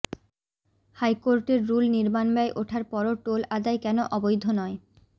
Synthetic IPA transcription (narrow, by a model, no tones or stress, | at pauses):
hajkoɾʈeɾːulniɾmanbɛjʔoʈʰaɾpɔɾoʈolʔad̪aekɛnoʔɔbojd̪ʱːonɔe